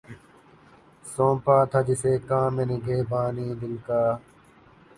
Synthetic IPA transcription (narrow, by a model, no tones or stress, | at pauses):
sõːpaːt̪ʰɐd̪iseːkãːmeniɡʱeːbaːniːd̪ɪlkaː